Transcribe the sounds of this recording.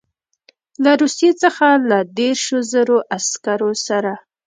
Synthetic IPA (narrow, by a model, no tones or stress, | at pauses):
laɾusijet͡səxalad̪eɾʃozaɾoʔaskaɾosaɾa